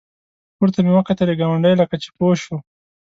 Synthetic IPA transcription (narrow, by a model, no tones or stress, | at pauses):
kuɾt̪amewəkat̪aɾeɡawaɳɖəjlakat͡ʃe̥poʃo